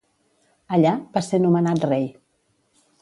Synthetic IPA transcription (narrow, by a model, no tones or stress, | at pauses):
əʎabasenumənat̪rej